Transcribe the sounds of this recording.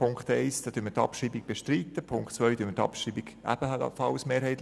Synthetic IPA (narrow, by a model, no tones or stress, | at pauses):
pʊŋkt̪ɛɪsd̥ɑːd̥̪yːmətɑ̰pʃiːbiɡ̚b̥eʃtɾiːt̪əpʰʊŋkχt̪t͡sʋœʏd̥yːmətɑ̰pʃiːbiɡʔæ̰b̥əhɑtɑ̰fɑlsmeːɾɦhɛɪt̪